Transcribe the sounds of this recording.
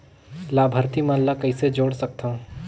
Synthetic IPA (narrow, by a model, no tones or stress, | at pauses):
laːbʱəɾt̪imaːllakɐised͡ʒoːɽsɐk̚t̪aũ